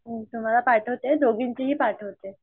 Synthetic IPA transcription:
t̪um̤alapaɾʈʰɦot̪ed̪oɡiɲt͡ɕiɦiːpaɾʈʰɦot̪e

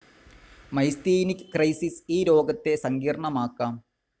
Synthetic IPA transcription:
mɐjst̪iːnikʲːɨkrɐjsisiːɾo̞ːɡɐt̪ːe̞sɐŋɡiːrɐɳɐmaːkːaːm

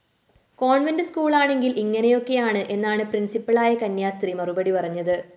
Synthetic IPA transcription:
koːɳʋɐndɨskuːɭaːɳe̞ŋɡilʔiŋːɐnejo̞kːe̞jaːɳɨʔe̞nːaːɳɨprinsipːɐɭaːjɐkɐnjaːst̪rimɐrubɐɽipɐrɐɲːɐðɨ

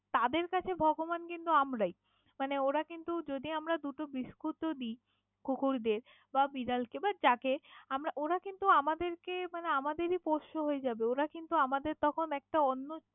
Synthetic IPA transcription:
t̪ad̪eɾkat͡ɕʰebʱɔɡomankint̪uamɾaj | maneoɾakint̪ud͡ʑod̪iamɾad̪uʈobiʃkut̪od̪i | kokʰuɾd̪eɾ | babiɾalkebaɾd͡ʑakeamɾaʔoɾakint̪uamad̪eɾkemaneamad̪eɾipoʃoɦoed͡ʑabeoɾakint̪uamad̪eɾt̪ɔkʰonɛk̚ʈaɔnːo

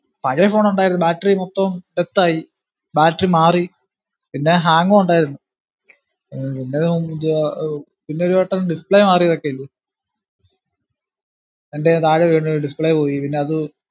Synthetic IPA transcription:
pɐɻefo̞ːnoɳɖaːjiɾnːubaːʈːɐrimot̪ːomʈet̪ːaːji | baːʈːɐrimaːri | pinːe̞ɦaːŋɡoːuɳɖaːjiɾunːu | pinːe | pinːeoɾuʋeʈːɐlɖispɭejmaːrijɐðokːeilːɐ | enɖet̪aːɻeʋeːɳɖuɖispɭejpoːjipinːe̞ɐðɨ

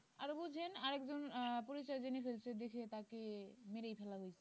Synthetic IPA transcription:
aɾobud͡ʑʱenaɾɛkzonpoɾit͡ɕajzenifelsʰed̪ekʰet̪akemeɾejpʰɛlaɦojsʰe

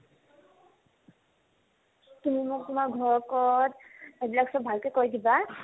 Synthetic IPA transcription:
tumimʊk̚tumaɡʱɔɹɔkɔtebilaksɔbʱalkekoɹidiba

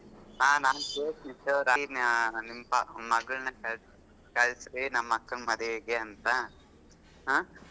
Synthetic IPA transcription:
ɦaːnaːnkeːʈnit͡ʃoɾannimːɐpɐmɐɡɐɭɐnɐkɐ | kɐɭsɾinɐmːɐkːɐɳmɐd̪ɐeːɡeɐnt̪ɐ | ɦa

